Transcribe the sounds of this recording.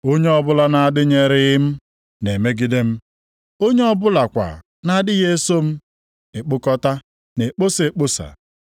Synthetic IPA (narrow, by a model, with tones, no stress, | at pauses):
o˦ɲe˦ɔ˦bʊ˦la˨na˦˨dɪ˦ɲe˨ɾɪ˦ɪ˦m̩˦ | ne˨me˦ɡi˦de˦m̩˦ | o˦ɲe˦ɔ˦bʊ˦la˨kʷa̰˨ | na˦dɪ˦ɣe˦so˦m̩˦ | e˨k͡pʊ˦kɔ˦ta˦ | ne˨k͡po˦se˨e˨k͡po˦sa̰˨